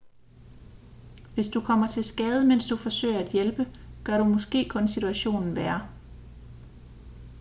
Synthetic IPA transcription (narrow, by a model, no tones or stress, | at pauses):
ʋe̝sd̥ukʰɒ̽m̰ɐt͡sʰe̝lsɡ̥ɛːð̞ˠəmen̰sd̥ufɒ̽sø̰ɪ̰ɐæd̥jelb̥əɡ̥ɶɐɾumɔ̽sɡ̥e̝̰ːkʰɔ̽nsit͡sʰuæɕo̝̰ːnn̩ʋæːɐ